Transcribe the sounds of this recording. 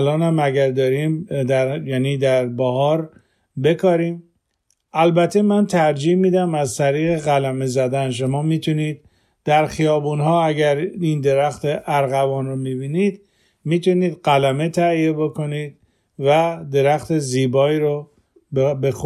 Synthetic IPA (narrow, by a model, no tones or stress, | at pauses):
lɒːnhæmæɡæɾd̪ɒːɾimd̪æɾjæːniːd̪æɾbɒhɒːɾ | be̞kʰɒːɾiːm | ʔælbæt̪ʰːe̞mænt̪ʰæɾd͡ʒiːhmiːd̪æmæzt̪ʰæɾiːɣeɣælæmezæd̪ænʃ̬o̞mɒːmiːt̪ʰuniːd̪̚ | d̪̥æɾxijɒːbuːnhɒːæɡæɾind̪e̞ɾæxt̪ʰeʔæɾɣævɒːnɾomibiːniːd̪ | miːt̪ʰuniːd̪ɢælæme̞t̪ʰæijeboko̞niːd̪̚ | væd̪e̞ɾæxt̪eziːbɒːiːɾo | bbex